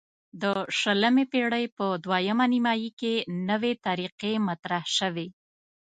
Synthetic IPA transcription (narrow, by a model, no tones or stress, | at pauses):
d̪əʃələmepeɽəjpəd̪wajəmanimɑjikenəwet̪aɾiqemat̪ɾahʃəwe